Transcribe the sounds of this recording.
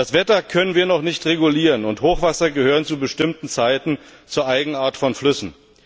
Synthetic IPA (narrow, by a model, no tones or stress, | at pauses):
d̥asv̥ɛtɐkʰœnənviːɐnɔχnɪçtʁeɡuliːʁənʊnthoːχv̥asɐɡəhøːʁənt͡subəʃtɪmtn̩t͡saɪtn̩t͡suːɐʔaɪɡŋ̩aːɐtfɔnflʏsn̩